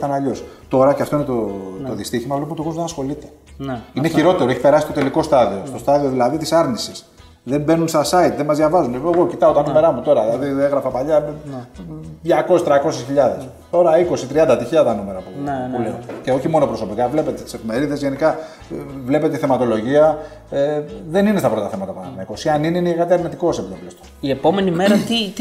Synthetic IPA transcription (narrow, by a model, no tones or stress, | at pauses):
t̪ɐnɐʎo̞st̪o̞ɾɐceɐft̪o̞inet̪ot̪oðist̪içimɐvlepmt̪oɣozðenɐsxo̞lit̪e̞̥ | ineçiɾo̞t̪e̞ɾoeçipe̞ɾɐsist̪ot̪eliko̞st̪ɐðio̞st̪o̞st̪ɐðio̞ðilɐðit̪isɐɾnisis | ðe̞mbe̞nunst̪ɐsɐit̪ðemɐzðʝɐvɐzuneoeɣo̞cit̪ɐo̞t̪ɐnume̞ɾɐmut̪o̞ɾɐðilɐðieɣɾɐfɐpaʎɐ | ðʝɐko̞sest̪ɾɐko̞sesçiʎɐðes | t̪o̞ɾɐiko̞sit̪ɾiɐnd̪ɐt̪içiʎɐt̪ɐnume̞ɾɐpuuleo̰ceo̞çimo̞no̞pɾo̞so̞pikɐvle̞pe̞t̪et̪i̥sefime̞ɾiðezʝe̞nikɐ | vle̞pet̪eiθe̞mɐt̪o̞lo̞ʝiɐ | ðe̞ninest̪ɐpɾo̞t̪ɐθe̞mɐt̪ɐpɐnɐmkosiɐnineineiɣɐt̪iɐɾnit̪iko̞sepit̪oplst̪oiepo̞me̞nimeɾɐt̪i